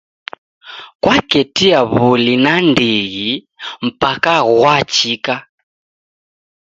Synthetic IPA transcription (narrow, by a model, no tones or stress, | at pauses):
kwakɛtiaβulinandiɣi | m̩pakaɣwat͡ʃika